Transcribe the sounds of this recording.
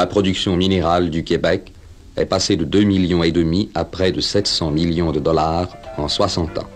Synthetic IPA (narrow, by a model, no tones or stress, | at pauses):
lapχɔd̪yksjɔ̃mineʁald̪ykʲebɛk | ɛ̰pased̪əd̪ømiljɔ̃ed̪əmiapχɛd̪əsɛt̪sɑ̃miljɔ̃d̪əd̪ɔlaʁɑ̃swasɑ̃t̪ɑ̰̃